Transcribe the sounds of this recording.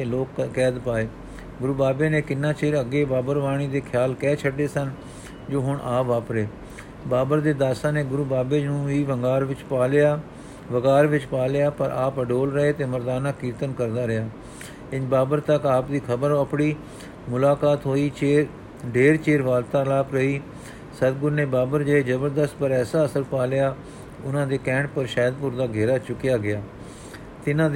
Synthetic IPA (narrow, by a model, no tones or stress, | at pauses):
t̪eːloːkːɛːd̪paːeː | ɡʊɾuːbaːbeːnẽːkɪnːãːt͡ʃeːɾəɡeːbaːbəɾʋaːɳ̃iːd̪eːkʰɪjaːlkɛːt͡ʃʰəɖeːsən | d͡ʒoːɦʊɳʔaːpʋaːpɾeː | baːbəɾd̪eːd̪aːsãːneːɡʊɾuːbaːbeːd͡ʒnũːʋiːʋəŋɡaːɾʋɪt͡ʃaːljaː | ʋəɡaːɾʋɪt͡ʃpaːlɪjaːpəɾʔaːpəɖoːlɾəeːt̪eːməɾd̪aːnaːkiːɾt̪ənkəɾd̪aːɾɪjaː | ɪnbaːbəɾt̪əkaːpd̪iːkʰəbəɾəpɽiː | mʊlaːkaːt̪ɦoːiːt͡ʃeː | ɖeːɾt͡ʃeːɾʋaːlt̪aːlaːpɾəɦiː | səd̪ɡʊɾneːbaːbəɾd͡ʒəeːd͡ʒəbəɾd̪əst̪pəɾɛːsaːəsəɾpaːljaː | ʊnãːd̪eːkɛ̃ːɳʈ̚pəɾʃɛːd̪pʊɾd̪aːɡʱeːɾaːt͡ʃʊkijaːɡɪaː | t̪ɪnãː